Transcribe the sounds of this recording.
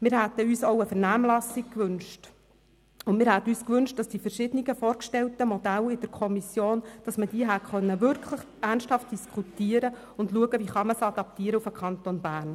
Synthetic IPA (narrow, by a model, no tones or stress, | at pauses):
mɪːɾhæt̪ːəyːsoʊəfɛɾnæːmlɑsɪk̚kʋʏnʃt | ʊnmɪːɾhæt̪əyːskʋʏnʃt̚d̥ɑsd̥ifɛɾʃɪd̥ənɪɡəfoːɾkʃtɛltəmɔd̥̪ælɪd̥əɾkʰɔmisjoːnd̥ɑsməd̥iːəɦæχœnːəʋʏɾkʰləχ | ærnsthɑft̚d̥iskχutiːəɾə | ʊndluəɡəʋiχɑməsɑd̪ɑp̚tiəɾəufəkʰχɑnt̪onbæːɾn